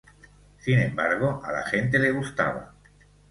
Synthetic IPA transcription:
sinẽ̞mbaɾɣ̞oʔala̰xe̞nt̪̬e̞le̞ɣ̞ust̪a̰β̞a̰

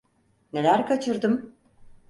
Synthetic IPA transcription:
ne̞lʲæɾkʰat͡ʃʰɯɾd̪ɯm

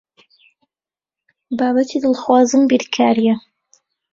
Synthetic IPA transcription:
baːbɐt̪ʰid̪ɨlˠxwaːzɨmbiɾkʰaːɾijɛ

